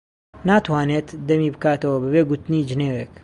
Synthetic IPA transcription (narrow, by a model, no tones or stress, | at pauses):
naːt̪ʰwaːneːt̪d̪ɐmiːbɨkaːt̪ɐwɐbɨbeːɡut̪niːd͡ʒɪneːweːk